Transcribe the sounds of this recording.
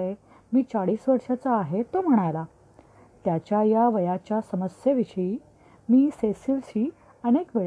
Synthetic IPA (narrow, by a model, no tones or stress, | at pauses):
e | miːt͡saɽiːsʋəɾʂat͡saːɦet̪ːom̤əɽ̃ajla | t̪jat͡ɕjajaʋəjat͡ɕjasəməsjeʋiɕəi | miːsesilɕiː | ənekʋe